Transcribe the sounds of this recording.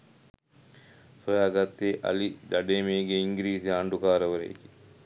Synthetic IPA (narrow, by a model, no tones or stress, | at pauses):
sojaːɡat̪ːeʔa̰lid̪aɖeːmeːɡeiŋɡiɾiːsiaɳɖukaːɾəʋɐɾḛḭki̥